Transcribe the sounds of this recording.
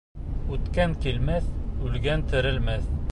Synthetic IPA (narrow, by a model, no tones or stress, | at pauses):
ʉt̪kæŋkilmæθʉlɡænt̪ɘ̆ɾɘ̆lmæθ